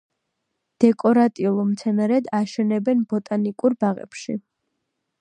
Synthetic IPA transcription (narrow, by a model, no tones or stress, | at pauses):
d̪̥ɛkʼɔɾat̪ʼiulˠɔmt̪sʰɛnaɾɛd̪aʃɛnɛbɛnbɔt̪ʼanikʼuɾbaʁɛ̰pʃḭ